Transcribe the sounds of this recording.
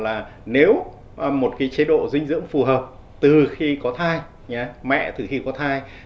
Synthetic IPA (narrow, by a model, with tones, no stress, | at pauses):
laː˨˩ne˨˦w | mo˨˩t̚kaː˨˦jt͡ɕe˨˧˦ɗo̰˧˨zï˧ŋ̟zɨ̰˧˥əŋfu˨˩ɦəː˨˩p̚ | t̪ɨ˨˩xi˧kɔ˨˦t̪ʰaː˧j | ɲaː˨˧mɛ̰˧˨t̪ɨ˨˩xi˧kɔ˨˦t̪ʰaː˧j